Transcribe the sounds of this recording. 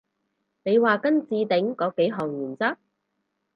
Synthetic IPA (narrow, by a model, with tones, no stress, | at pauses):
ne˨˧jwaː˨kɐ˥nt͡siː˧t̪ɪ˨˥ŋkɔː˨˥kːe˨˥jɦɔː˨˩ŋjyː˨˩nt͡saː˥